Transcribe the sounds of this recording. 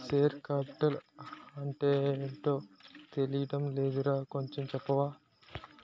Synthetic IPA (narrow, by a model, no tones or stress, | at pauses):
seːɾkaːpi̥ʈɐlɐɳʈeːeɳʈoːt̪elijɐʈɐmleːd̪uɾaːko̞ɲt͡ʃomt͡ʃɛpːɐʋaː